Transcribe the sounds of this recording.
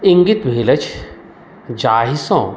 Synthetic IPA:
iŋɡit̪bʱeːlɐt͡ʃ | d͡ʒaːɦisõː

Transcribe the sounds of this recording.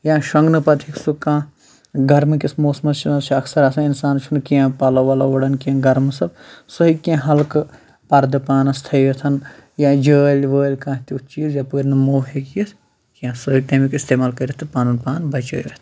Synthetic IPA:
jãːʃɐŋɡnɨpɐt̪ʰiksukãː | ɡɐɾmɨkismoːsmɐt͡ʃʰɐt͡ʃʰɐksɐɾɐsainsaːnt͡ʃʰunkijãpɐlɐʋaːlaʋɐɽɐnkiãːɡɐɾmɨsɐb̚soɦikãːɦɐlk | pɐɾd̪ɨpaːnɐst̪ʰɐjɐt̪ʰɐnjãːd͡ʒəːlʲʋəːlʲkãːt̪iut͡ʃiːzjaːpəːɾʲnɨmoːɦekjis | kjãːsɐiʈ̪ɐːmikist̪eːmaːlkɐɾɐt̪ʰpaːnunpaːnbɐt͡ʃəːɾɐt̪ʰ

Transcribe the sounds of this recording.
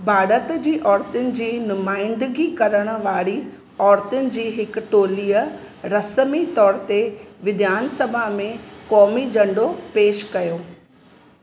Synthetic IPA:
bʱaːɾət̪d͡ʑiːʔɔːɾt̪ʊnɪ̆d͡ʑiːnʊmaːɪ̃nd̪ɪɡikɐɾəɽ̃ə̆ʋaːɽi | ɔːɾt̪ʊnɪ̆d͡ʑiːɦɪkʈoːliːə | ɾɐsəmit̪ɔːɾt̪eʋɪd̪ʱjaːnsɐbʱamẽkɔːmid͡ʑɐ̃ɳɖopeːʃkɐjoː

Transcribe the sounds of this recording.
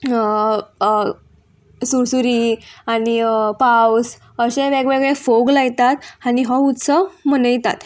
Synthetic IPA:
suɾsuɾiaɽipaws | əɕẽʋɛɡʋeɡɭefoɡlajt̪at̪aniɦɔ̃ut̪səmənəjt̪a̰t̪

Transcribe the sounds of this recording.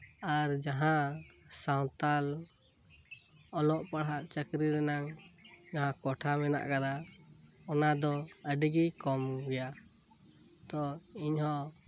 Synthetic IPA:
aɾd͡ʒaɦãsawt̪al | ɔlɔʔpaɽɦaʔt͡ʃəkɾiɾɛnaŋd͡ʒaɦãkɔʈʰamɛna̰ʔkad̪a | ɔnad̪ɔəɖiɡikɔmɡɛja | t̪ɔiɲhɔ̃

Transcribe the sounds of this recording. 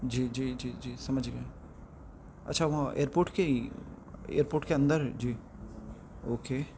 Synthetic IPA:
d͡ʒiːd͡ʒiːd͡ʒiːd͡ʒiːsɐməd͡ʒɡɐ | ɐ̰tːʃʰaʋɐɦãʔḛːəɾpoːɾʈke | ḛːəɾpoːɾʈkeɐ̃nd̪əɾd͡ʒiː | oːkeː

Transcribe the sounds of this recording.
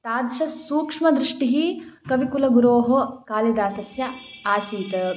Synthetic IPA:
t̪aːd̪ʃɐsuːkʂmɐd̪ɾiʂʈiɦikɐʋikulɐɡuɾoːɦokaːlɐd̪aːsɐsjɐaːsiːt̪ɐ

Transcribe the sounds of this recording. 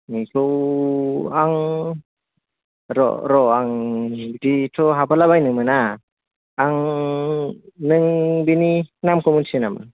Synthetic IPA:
nikʰɯw | aŋ | ɾɔ̰ɾɔaŋditʰɔɦapalabajnɯmɯnaː | ŋ | nɯŋbininamkʰɔmunsinama̰

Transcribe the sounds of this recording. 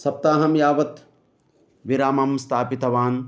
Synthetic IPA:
sɐp̚t̪aːɦɐmjaːʋɐt̪ | ʋiɾaːmɐmst̪ʰaːpit̪ɐʋaːn

